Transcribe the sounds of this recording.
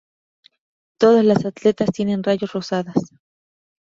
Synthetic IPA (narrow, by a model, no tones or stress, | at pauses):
t̪oðaslasat̪let̪ast̪je̞nenraʝosrosaðas